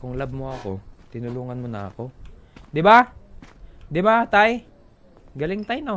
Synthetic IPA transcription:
kʊŋlab̚moɐko̞t̪ɪnʊluːŋɐnmonɐ̰ɐ̰ko̞ | d̪ɪba | d̪ɪbat̪aj | ɡɐlɪŋt̪ajno

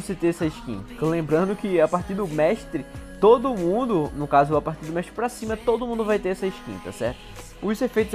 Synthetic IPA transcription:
sɪt̪eɾɛsɐɪʃkḭ̃t̪klẽmbɾɐ̃nd̪ʊkɪapaɾt̪iɾd̪ʊmɛʃt̪ɾɪt̪od̪ʊmũd̪ʊnʊkazʊapaɾt̪iɾd̪ʊmɛʃt̪ɾɪpɾasĩmɐt̪od̪ʊmũd̪ʊvajt̪eɾɛsɐiʃkḭ̃t̪ɐ̰sɛ̰ɾt̪ʊ̥ | ʊzefejt̪ʊ

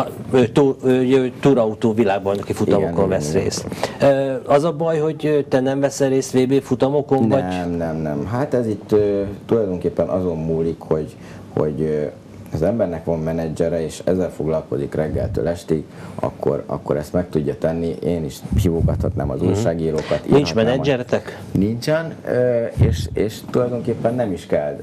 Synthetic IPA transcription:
øt̪uːøt̪uːɾɒut̪oːvilaːɡ̚bɒjnɒkifut̪ɔmokonvɛsrḛːsøɒzɒbɒjho̞ɟøt̪ɛnɛɱvɛsɛɾeːsʋeːbeːfut̪ɒmo̞ko̞nvɒmnɛmnɛmɦat̪ɛzit̪ːøːt̪ːulɒjd̪o̞ŋkeːpːɛnʔɒzo̞mmuːlikho̞ɟ | ho̞̰ɟ | ɒzɛmbɛrnɛkʋɒmmɛnɛd͡ʒɛɾɛeːʃɛ̰zːɛlfo̞ɡlɒlko̞zikrɛɡːɛ̰lt̪ø̰ːlɛʃt̪iɡ | ɒ̰kʰːo̞̰ɾɒ̰kːo̞̰ɾɛst̪mɛk̚t̪uɟːɒt̪ɛnːiʔeːniʃhiːvoːɡɒt̪hɒt̪na̰ːmɒ̰zṵːrʃaːɡiːɾoːkɒt̪ḭninht͡ʃːmɛnːɛmd͡ʒɛɾɛt̪ɛk | nint͡ʃɛnøeːʃeːʃt̪ulɒjd̪o̞ŋkeːpːɛnːɛmiʃkɛl

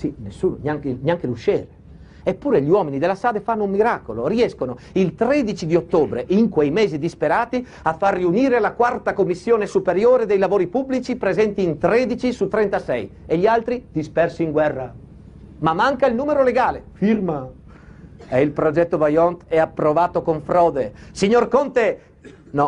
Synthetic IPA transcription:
sinesːuːno̰njaŋkenjaŋkeluʃeːɾe | epːuːɾeʎiwɔminid̪elasaːd̪efanːoummːiɾaːkoloɾiɛskono | ilt̪ɾɛd̪it͡ʃid̪iot̪ːoːbɾeʔiŋkwejmeːzid̪ispeɾaːt̪i | afːarːiuniːɾelakwart̪akomːisːjoːnesupeɾjoːɾed̪ejlavoːɾipublit͡ʃipɾezɛnt̪iːnt̪ɾɛd̪it͡ʃisut̪ːɾɛnt̪asɛjeʎialt̪ɾid̪̥ispɛrsiːŋɡwɛrːa | mamːaŋkailnuːmeɾoleɡaːlefirma | eilpɾod͡ʒɛt̪ːovajɔnt̪ɛapːɾovaːt̪okoɱfɾɔːd̪esiɲorkont̪e | nɔ

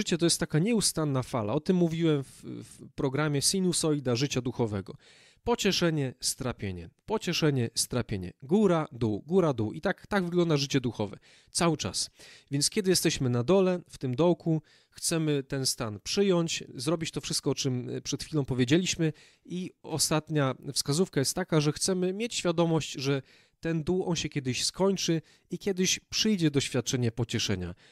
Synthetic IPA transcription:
ʐɘt͡ɕɛt̪ɔjɛst̪ːakaɲɛust̪anːafala̰ɔt̪ɘmːuvʲiwɛmffpɾɔɡɾamʲjɛsinʲusɔjd̪aʐɘt͡ɕad̪uxɔvɛɡɔ | pɔt͡ɕɛʂɛɲɛst̪ɾapʲjeɲɛ̰pɔt͡ɕɛʂɛɲɛst̪ɾapʲjeɲɛ̰ɡuɾad̪uɡuɾad̪uʔit̪akt̪aɡvɘɡlɔnd̪aʐɘt͡ɕɛd̪uxɔvɛ̰ | t̪sawɘt͡ʂa̰svʲjɛntskʲɛd̪ɘjɛst̪ɛɕmɘnad̪ɔlɛft̪ɘmd̪ɔwkʰu | xt̪sɛmɘt̪ɛnst̪anpʂɘjɔɲt͡ɕzɾɔbʲit͡ɕt̪ɔfʂɘst̪kɔɔt͡ʂɘmpʂɛt̪xfʲilɔ̃w̃pɔvʲjed͡ʑelʲiɕmɘ | iɔst̪at̪ɲafskazufkajɛst̪ːakaʐɛxt̪sɛmɘmʲjet͡ɕɕfʲjad̪ɔmɔɕt͡ɕʐɛ | t̪ɛnd̪uwɔnɕɛkʲjɛd̪ɘɕskɔɲt͡ʂɘ | ikʲjɛd̪ɘɕpʂɘjd͡ʑɛd̪ɔɕfʲjat̪̚t͡ʂɛɲɛpɔt͡ɕɛʂɛ̰ɲa̰

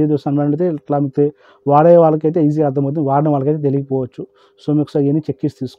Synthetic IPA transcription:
ed̪osɐnmɐɳɖt̪eʈlaːmik̚t̪e | ʋaːɽɐjʋaːɭɐk̬ɐjt̪̬eiz̬iːaːd̪ɐmowt̪̬niʋaːɽɐɳɐʋaːɭɐkɐjt̪et̪eliɡipɔːʋɐt͡ʃːu | soːmiːku̥saenːit͡ʃekːist̪iːsu̥

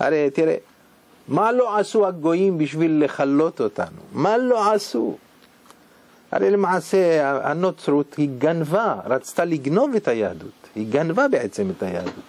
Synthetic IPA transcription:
ha̰ɾet̪iɾḛ | malo̞ʕasuhaɡo̞jimbiʃvilːeχalːo̞t̪o̞t̪a̰numalo̞ʕasṵ | ha̰ɾejlemaʕase̞aa̰no̞t͡sɾut̪hiɡanvaɾat͡st̪aliɡno̞vet̪ajaːd̪ṵt̪hiɡanvabeʕe̞t͡semet̪aja̰ːd̪ut̪

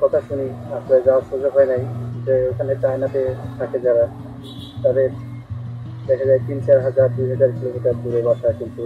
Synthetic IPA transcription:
kɔt̪aʃuniaʃlɾaed͡ʑaaʃud͡ʑoɦɔenajd͡ʑeokʰaneʈajnat̪et̪ʰakʰed͡ʑaɾa | t̪ɔd̪eɾ | d̪ɛkʰad͡ʑajt̪int͡ɕaɾɦad͡ʑaɾd̪ujɦad͡ʑaɾkilomiʈaɾp̪uɾebaʃʰakint̪u

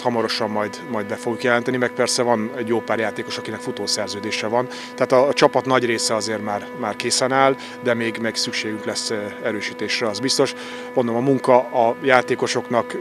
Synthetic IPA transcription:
hɒmɒɾo̞ʃɒmːɒjd̪mɒjd̪̚bɛfoɡjukjɛlɛnt̪ɛnimɛk̚pɛrsɛvɒnɛɟjoːpaːrjaːt̪eːko̞ʃɒkinɛkfut̪oːsɛrzøːd̪eːʃɛvɒn | t̪ɛaːt̪ɒt͡ʃɒpɒt̪nɒɟreːsɛɒzeːrmaːrmaːrkeːsɛnaːl | d̪ɛmeːɡmɛːɡsykʃeːɡyŋklɛsːɛɾøːʃiːt̪eːʃrɛɒzbist̪o̞ʃ | mond̪omɒmuŋkɒɒjaːt̪eːko̞ʃo̞knɒk

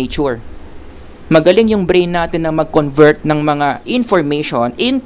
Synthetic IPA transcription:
et͡ʃuɹ | mɐɡɐlɪŋjʊŋbɾejnːaːt̪ɪnːɐmɐɡ̚konvɛɹt̪̚nɐŋmɐŋaʔɪnfoɹmejʃonʔɪn

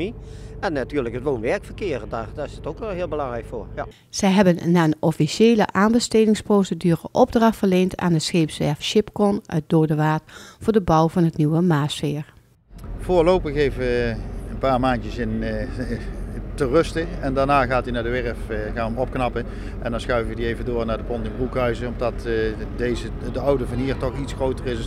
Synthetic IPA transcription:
iɛnːatyːɹləkɦətʋoːnʋɛɹkfəkɪərədaːdːɪsətokʋlˠɦɪːlˠbəlɑŋrɛjkfoːɹj | z̥ɛjɦɛbənːaːənɔfiʃeːlə̰ʔaːnbəsteːdɪŋsprowsədyːrə̰ʔɔb̚drɑxtfəɹlejntʰa̰ːndəsxeːpsʋɛɹfʃɪpkɔnʔœ̰ɥt̚doːdəʋaːtvʊːɹdəbʌwvɑnɦətniʋəmaːsfɪːɹ | v̥ʊːɹlowpəxejvəəənpaːɹmaːntjəsɪn | tərɵstəɛndaːɹnaːɣaːtinaːɹdəʋɛɹəfɣaːnəmɔp̚knɑpə | ʔɛ̰ndɑnsxœɥvəʋədiejvəndoːɹnaːɹdəpɔntɪŋrukɦœɥzəɔmdɑtdejzə | dəʌwdəvɑnɦiːɹtɔχitsxrowtərɪs

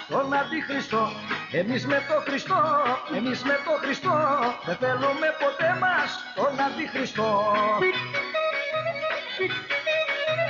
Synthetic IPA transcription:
t̪onɐd̪ixɾist̪o̞ | emizme̞t̪o̞xɾist̪oemizmet̪oxɾist̪oðeθelume̞po̞t̪emɐs | t̪onɐd̪ixɾist̪o̞

